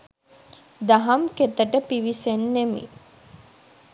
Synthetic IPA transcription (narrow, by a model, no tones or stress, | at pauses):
d̪aɦamket̪əʈəpiʋisenːemḭ